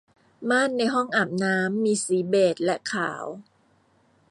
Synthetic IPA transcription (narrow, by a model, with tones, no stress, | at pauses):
maː˥˩nːa˧jɦɔ˥˩ŋʔaː˨˩p̚naː˦˥mːiː˧siː˩˦beː˨˩t̪̚lɛ˦˥ʔkʰa̰ː˩˦w